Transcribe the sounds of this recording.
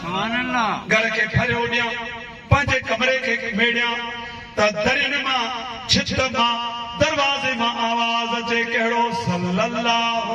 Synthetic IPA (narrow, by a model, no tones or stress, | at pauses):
ɡɐɽkʰeːpʰɐɾjõɗijãː | pɐ̃ɦɪ̃ɲd͡ʑekɐmɾekʰeːmeːɽijã | t̪ɐd̪ʱɐɾinmã | t͡ɕʰɪt̪əmãːd̪ɐɾʋaːzemãːʔaːʋaːzd͡ʑeːkɐɦɪɽosɐllɐlːaːɦ